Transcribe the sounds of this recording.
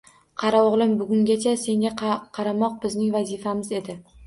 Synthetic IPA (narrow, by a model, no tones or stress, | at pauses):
qʰɑɾaɒʁlˠɪmbʊɡʲʊŋɡʲat͡ʃʰase̞ŋʲaqʰɑɾamɒq̚bɪznɪŋvazifamɪze̞d̪ɪ